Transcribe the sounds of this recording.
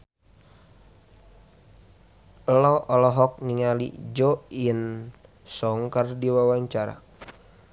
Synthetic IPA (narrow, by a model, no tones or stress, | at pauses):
lɔʔɔlɔɦɔk̚niŋalḭd͡ʒɔiən | sɔŋkardiwawaɲt͡ʃaɾa̰